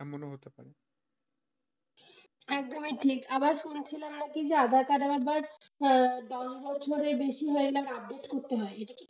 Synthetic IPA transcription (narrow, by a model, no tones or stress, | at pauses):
moneɦot̪epa̰ɾe | ɛk̚d̪omiʈʰikabaɾʃunt͡ɕʰilamnakid͡ʑead̪ʱat̪aɾaɛbaɾ | d̪ɔʃbɔt͡ɕʰoɾeɾbeʃiɦoeɡilamaɾab̚ɖeʈkoɾt̪eɦɔeeʈaki